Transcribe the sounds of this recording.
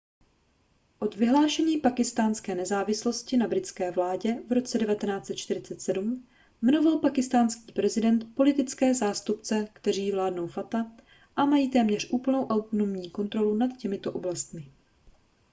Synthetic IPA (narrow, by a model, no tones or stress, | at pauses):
ʔo̞d̪vɪɦlaːʃɛɲiːpakɪst̪aːnskɛːnɛzaːvɪslo̞scɪnabɾɪt͡skɛːvlaːɟɛvɾo̞t͡sɛdɛvat̪ɛnaːt͡sɛt̪̚t͡ʃt̪ɪɾɪt͡sɛt̪sɛdum | mɛnovalpakɪst̪aːnskiːpɾɛzɪdɛnt̪po̞lɪt̪ɪt͡skɛːzaːst̪upt͡sɛkt̪ɛriːvlaːdnowfat̪a | ʔamajiːt̪ɛːmɲɛr̝ʔuːpl̩no̞wʔawt̪onomɲiːko̞nt̪ɾo̞lunat̪cɛmɪt̪o̞ʔo̞blast̪mɪ